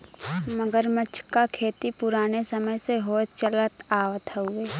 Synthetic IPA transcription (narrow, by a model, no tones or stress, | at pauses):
məɡəɾmət͡ʃʰkakʰeːt̪ipʊɾaːnesəməjseɦoːt͡ʃələt̪aːʋət̪ɦɛɦʊeː